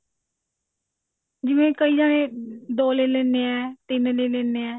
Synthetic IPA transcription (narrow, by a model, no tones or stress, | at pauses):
d͡ʒɪʋẽːkəiːd͡ʒaːnẽːd̪oːleːlɛːneːɛːt̪ɪnleːlɛːneːɛː